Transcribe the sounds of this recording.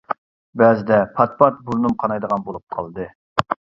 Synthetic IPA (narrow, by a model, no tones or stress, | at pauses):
bɛzɪd̪ɛpʰɑt̪̚pʰɑt̪̚buɾnumqʰɑnɑjd̪əʁɑnbolˠup̚qʰɑ̰lˠd̪ɨ